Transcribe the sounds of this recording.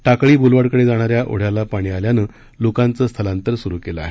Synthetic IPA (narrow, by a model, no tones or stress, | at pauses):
ʈakɭiːbʱulʋaɽkəɽed͡zaɽ̃aɾjaʔo̰ɽ̤jalapaɽ̃iːaljanəː | lokant͡səːst̪ʰəlãnt̪əɾsuɾuːkeləa̰ɦe